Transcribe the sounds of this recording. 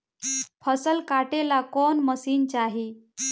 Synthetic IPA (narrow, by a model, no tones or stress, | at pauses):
pʰəsəlkaʈelakonməsiːnt͡ɕaɦi